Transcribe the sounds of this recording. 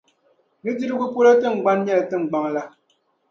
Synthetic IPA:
nɨ˦d͡ʒi˦ɾɨ˦ɡu˦po˦la˦tɨ˦˨ŋ͡m̩˨ɡ͡ba˦nɲɛ˦ltɨ˦ŋ͡m̩˨ɡ͡ba˦ŋla˦

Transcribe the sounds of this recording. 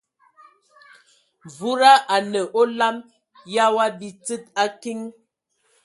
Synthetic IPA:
vu˦ɾa˦ʔa˨nə˨ʔo˦la˦m | ja˦wa˦bi˨t͡sɨ˦t̚a˦ki˦ŋ

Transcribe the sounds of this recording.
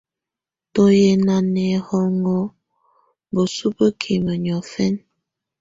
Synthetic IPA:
to˦je˨na˨nɛ˨hɔ˦ŋɔ˦ | bə˨su˦bə˦kʰi˨mə˨ɲɔ˨fɛ˦n

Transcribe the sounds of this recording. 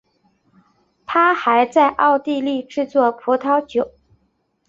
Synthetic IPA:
t̪ʰa˥xa˧˥ɪt͡sa˥˧ɪʔɑ˥˧ʊt̪i˥˧li˥˧ʈ͡ʂɻ̩˥˧t͡swɔ˥˩pʰu˧˥t̪ʰɑ˧˥ʊt͡ɕjo˨˩˦ʊ

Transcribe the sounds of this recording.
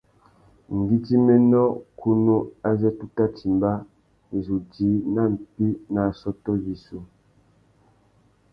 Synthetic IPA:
ŋ̩˨ɡi˦ti˦mɛ˦nɔ˦kʰu˦nu˦a˦zɛ˦tu˦ta˦ti˨mba˦˨ | zu˨di˨˦na˦˨m̩˨pi˦na˨sɔ˦tɔ˦ji˨su˦

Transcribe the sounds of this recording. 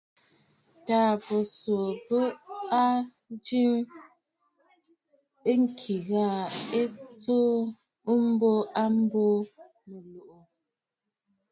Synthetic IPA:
taː˨pə˨so˨pə˦a˦ | d͡ʒi˦m | e˦ŋ̩˦kʰi˨ɣa˦˨e˦t͡so˦ | ə˦m̩˦bo˦ʔa˦m̩˦bo˦ | mə˨lo˨ʔo˨

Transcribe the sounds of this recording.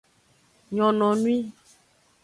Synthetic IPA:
ɲɔ̃˨nɔ̃˨nũ˦i˦

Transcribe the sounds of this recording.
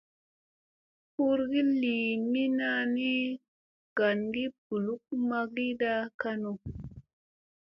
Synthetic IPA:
hu˦ɾɡi˦li˨mi˦na˧ni˦ | ɡ̥a˨nɡi˦b̥u˨lu˦k̚ma˦ɡi˦da˦ka˧no˨

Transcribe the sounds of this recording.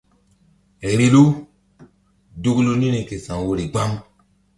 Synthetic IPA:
e˨ɾi˦lu˦ | du˦klu˦nĩ˦ni˨ke˨sã˨ŋwo˦ɾi˨ɡ͡ba˦ŋ

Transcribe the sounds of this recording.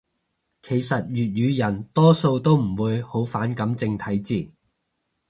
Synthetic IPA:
kʰe˨˩jsɐ˨t̚jyː˨t̚jyː˨˧jɐ˨˩nt̪ɔː˥so˧wt̪o˥wm̩˨˩wuː˨˧jho˨˥wfaː˨˥nkɐ˨˥mt͡sɪ˧ŋt̪ʰɐ˨˥jt͡siː˨

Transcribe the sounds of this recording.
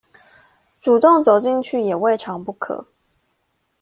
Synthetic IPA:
ʈ͡ʂu˨˩t̪o˥˨˩ŋt͡so˨˩ʊt͡ɕi˥˧ŋt͡ɕʰy˥˩jɛ˨˩we˥˩ɪʈ͡ʂʰɑ˧˥ŋpu˥˩kʰɤ̰˨˩˦

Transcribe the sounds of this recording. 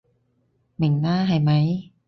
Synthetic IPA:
mi˨˩˦ŋnaː˥˩ɦa˧˩jma˦˥j

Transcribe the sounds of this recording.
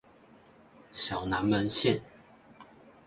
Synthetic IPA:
ɕjɑ˨˩ʊna˨˦nmə˧˦nɕjɛ˥˨n

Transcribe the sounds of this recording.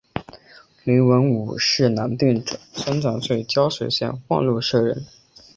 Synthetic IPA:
li˧˥ŋwə˧˥nu˨˩ʂɻ̩˥˩na˧˥nt̪y˥˩nʈ͡ʂɤ˨˩sa˥nt͡sɑ˨˩ŋswe˥˩ɪt͡ɕjɑ˥ʊʂwe˨˩ɪɕjɛ̰˥˧nxwɑ̰˥˧ŋlu˥˧ʂɤ˥˩ɻə̰˧˥n

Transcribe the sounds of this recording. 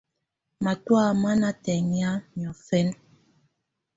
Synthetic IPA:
ma˨twa˦˨ma˦na˦tɛ˨ŋja˦ɲɔ˨fɛ˦n

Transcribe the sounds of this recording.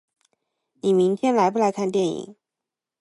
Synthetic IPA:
ni˨˩mi˧˥ŋt̪ʰjɛ˥nla˧˥ɪpu˥˩la˧˥ɪkʰa˥˧nt̪jɛ˥˩nḭ˨˩˦ŋ

